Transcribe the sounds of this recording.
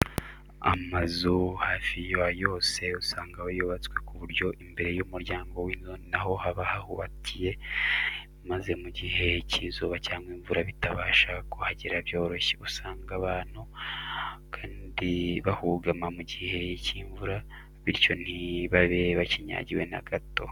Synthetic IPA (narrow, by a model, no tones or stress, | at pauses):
a̰mazuhaːfijajo̞ːse̞usaːŋɡawajoβat͡skwe̞kuβuɾjo̞ʔimbe̞ɾe̞jumuɾjaːŋɡo̞wiːnzonnaɦo̞haβahahuβatʰije̞ | maze̞muɟihe̞cizoβacaːŋɡwiːɱvuɾaβitaβaːʃakohaɟiɾaβjo̞ːɾo̞ʃeusaːŋɡaβaːnhu | kʰaːndiβahuɡamamuɟihe̞ciːɱvuɾa | βiɾco̞n̥iβaβe̞βaciɲa̰ːɟiwe̞na̰ɡato̞̰